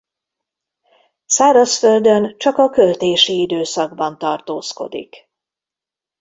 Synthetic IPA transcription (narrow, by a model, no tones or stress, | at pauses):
saːɾɒsføld̪ønt͡ʃɒkɒkølt̪eːʃiid̪øːsɒɡ̚bɒnt̪ɒrt̪oːsko̞̰d̪ḭk